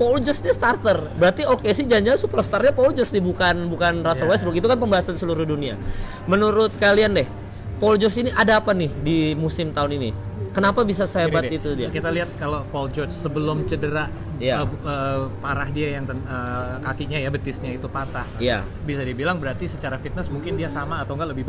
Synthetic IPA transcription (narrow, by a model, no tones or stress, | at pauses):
pɔld͡ʒɔrsdist̪art̪ərbəɾart̪iokesɪhd͡ʒaɲd͡ʒasupərst̪arɲapɔuld͡ʒɔrsdibukanbukanrasəlwɛsbʊkit̪̬ukanpəmbaɦasansəluɾʊhdunia̰ | mənuɾʊt̪̚kaliandɛh | pɔld͡ʒɔrsiniʔadaːpanɪhdimusɪmt̪aʊnini | kənapabis̬asəɦebat̪it̪udiakit̪aliɦat̪̚kalopɔld͡ʒɔrd͡ʒsəbəlʊmt͡ʃədəɾa | jaəpaɾahdiajaŋt̪əəkakiɲajabət̪ɪsɲait̪upat̪ahja̰ | bisadibilaŋbəɾart̪isət͡ʃaɾafit̪̚nəsmuŋkɪndiasamaːt̪awŋɡaləbɪhb